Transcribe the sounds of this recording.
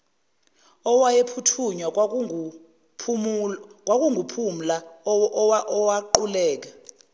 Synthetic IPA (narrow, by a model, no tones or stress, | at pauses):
ɔwajepʰutʰuɲwa | pʰ | k̬ʼwak̬ʼuŋɡupʰum̩lawaʔɔwaǃulɛːk̬ḁ